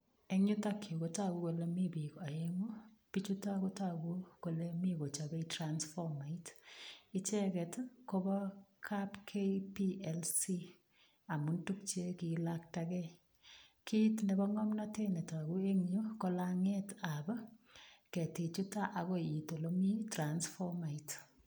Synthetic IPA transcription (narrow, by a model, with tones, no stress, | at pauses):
e˦ŋɲu˦ta˦kjo˨ko˨˦ta˦ku˦ko˨le˦mi˦bi˨ka˨e˦ŋu˦pi˦t͡ʃu˦ta˦ko˦ta˦˨ɡu˦ko˨le˦mi˦ko˨t͡ʃa˨bɛ˦itɾansfɔ˦ma˨itɪ˦t͡ʃɛ˦kɛ˨tko˦bɔ˦kʰapkʰepiɛlsi˦ | a˨mu˨ntu˦k̚t͡ʃe˦kilak̚takɛ˦ | kʰi˦tne˨bɔ˦ŋɔ˦mna˦te˦ne˨ta˨ku˦e˦ŋɲo˦ko˦laŋe˦tabɔ˦kɛ˨ti˨t͡ʃu˦ta˦ʔa˨ɣɔ˦i˨to˨lo˦mi˦transfɔ˦ma˨it